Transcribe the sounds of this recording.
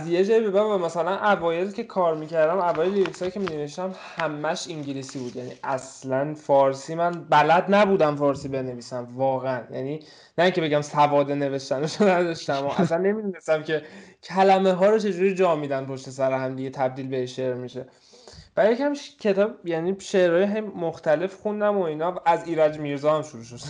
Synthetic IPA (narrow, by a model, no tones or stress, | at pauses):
æzje̞d͡ʒɒːibe̞bævvæmæsælænʔævɒːje̞lcʰe̞kʰɒːɾmiːcʰæɾd̪æmævɒːjelivsɒːjicʰe̞mineveʃt̪æmhæmːæʃiŋɟilisiːbuːd̪jænḭʔæslænfɒːɾsiːmænbælæd̪næbuːd̪æmfɒːɾsiːbe̞ne̞viːsæmvɒːɣeænjæ̰niː | næiŋcʰe̞be̞ɟæmsævɒːd̪e̞ne̞ve̞ʃt̪ænoʃonæd̪ɒʃt̪æmɔʔæslænːe̞mid̪unesæmcʰe̞cʰælæmeɦɒːɾot͡ʃʰe̞d͡ʒuːɾid͡ʒɒːmiːd̪ænpʰo̞ʃt̪es̬æɾeɦæmd̪iɟet̪ʰæb̚d̪iːlbe̞eʃe̞ʔɾmiʃe̞ | b̥æjecæmʃcʰe̞t̪ʰɒːbjæniːʃe̞ʔɾɒːjeɦejmoxt̪æle̞fxund̪æmo̞iːnɒʔæziːɾæd͡ʒmiɾzɒːhæmʃuɾuːʃ̬od̪